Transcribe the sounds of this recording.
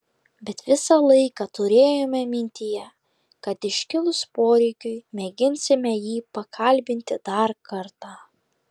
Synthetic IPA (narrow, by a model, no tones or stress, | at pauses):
bʲɛt̪ʋʲɪsɑlˠɐɪkɑt̪ʊɾʲeːjoːmʲɛmʲɪnʲt̪ʲɪjɛ | kɐt̪ɪʃʲkʲɪlˠʊspoːɾʲɛɪkʲʊɪmʲɛɡʲɪnʲsʲɪmʲɛjiːpɐkʰɐlʲbʲɪnʲt̪ʲɪd̪ɐɾkɐɾt̪ɑː